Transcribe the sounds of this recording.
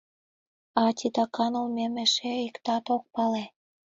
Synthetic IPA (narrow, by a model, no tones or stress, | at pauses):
ɑt̪ʲit̪ɑkɑnulmemeʃeikt̪ɑt̪ok̚pɑle